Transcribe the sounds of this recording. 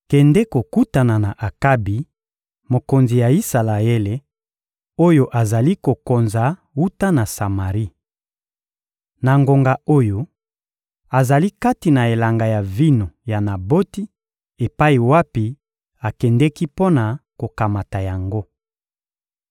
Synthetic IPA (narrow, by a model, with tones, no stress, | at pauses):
kɛ˨ndɛ˦ko˨ku˦ta˨na˨na˨ʔa˨ka˦bi˨ | mo˨ko˨nzi˨ja˨i˦sa˨la˨e˦le˨ | o˦jo˦ʔa˨za˨li˦ko˨ko˨nza˨ | wu˦ta˦na˨sa˨ma˨ʁi˦ | na˨ŋɡo˨ŋɡa˨o˦jo˦ | a˨za˨li˦ka˦ti˨na˨e˨la˨ŋɡa˨ja˨vi˦no˨ja˨na˨bo˦ti˦ | e˨pa˦i˨wa˦pi˨ | a˨kɛ˨ndɛ˦ki˦po˦na˨ko˨ka˨ma˨ta˨ja˨ŋɡo˦